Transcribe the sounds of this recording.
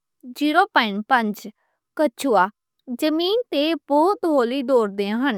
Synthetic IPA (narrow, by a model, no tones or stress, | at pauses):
d͡ʒiːɾoːpəɪnpə̃ɲd͡ʒ | kət͡ʃʰuːaː | d͡ʒəmiːnt̪eːbɔːt̪ɦoːliːd̪oːɾd̪eãɦən